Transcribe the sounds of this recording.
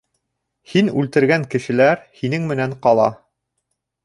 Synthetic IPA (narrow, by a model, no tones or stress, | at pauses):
hinʉlt̪ɘ̆ɾɡæŋkɘ̆ʃɘ̆læɾhinɘŋmɘ̆næɴqɑlˠɑ̰